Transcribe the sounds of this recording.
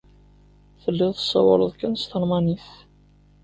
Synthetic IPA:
θəlːɪðˤθəsˤːɑ̰wɑ̰ɾˤəðˤkənst̪əlmɑniθ

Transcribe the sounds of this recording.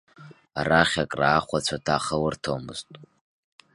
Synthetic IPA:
araχʲakʼraːχʷat͡sʷʰatʰaχəwartʰowmɨ̰ztʼ

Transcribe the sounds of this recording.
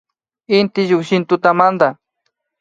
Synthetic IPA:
ɪnt̪ɪʒʊkʃɪnt̪ʊt̪amand̪a

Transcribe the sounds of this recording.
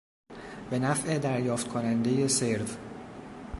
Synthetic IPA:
b̥e̞næfʔe̞d̪æɾjɒːft̪̚kʰonænd̪e̞je̞se̞ɾv

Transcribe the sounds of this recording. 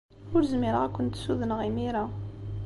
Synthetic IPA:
ʊɾzmiɾʁækʷənt̪suðənʁimiɾa

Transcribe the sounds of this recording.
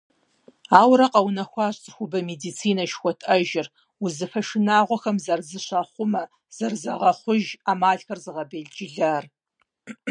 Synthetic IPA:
aːwɾɐqɐwnɐxʷɑːɕʼt͡sʼɨxʷʊbɐmeːdit͡sʰiːnɐʃxʷɔtʰʼɐʒɪr | ʊzɨfɐʃɪnaːʁʷɔxɐmzɐrzɨɕɐχʷʊmɐ | z̥ɐrzɐʁɐχʷʊʒaːmaːɮxɐrzɨʁɐbeːɮd͡ʒɪɮaːr

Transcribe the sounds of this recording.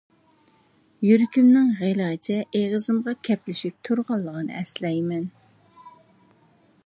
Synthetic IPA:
jyɾkʲymnɪŋʁelˠɑt͡ʃʰɛeʁəzɨmʁɑkʲʰɛplɪʃip̚t̪ʰuɾʁɑlˠːəʁənɨ̰ɛslɛjmɛn

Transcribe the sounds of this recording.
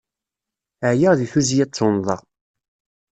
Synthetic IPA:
ʕjəʁðiθuzjæt͡sˤːonðˤɑʁ

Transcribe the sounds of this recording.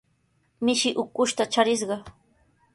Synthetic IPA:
mɪʃɪʔʊkʊʃt̪at͡ʃaɾɪsɢɑ

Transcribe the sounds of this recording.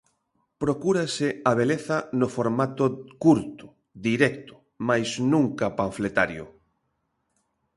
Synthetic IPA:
pɾokuɾasɪaβ̞eleθanofoɾmat̪okuɾt̪ʊ̥ | d̪iɾɛkt̪ʊ̥ | majsnũŋkapaɱflet̪aɾjʊ̰

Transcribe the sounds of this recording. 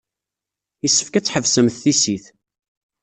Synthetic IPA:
jisːə̥fkæt͡sːħəvsəmθθisiθ

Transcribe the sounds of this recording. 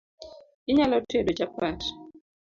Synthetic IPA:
ɪɲalɔtedod͡ʒapwat

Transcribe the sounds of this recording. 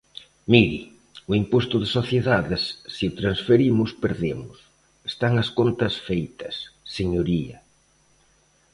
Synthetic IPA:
miɾi | ʊimpost̪ʊðɪsoθjeðaðɪsːiʊt̪ɾansfeɾimʊspeɾðemʊs | est̪aŋɐskont̪ɐsfejt̪ɐsːeɲoɾiɐ

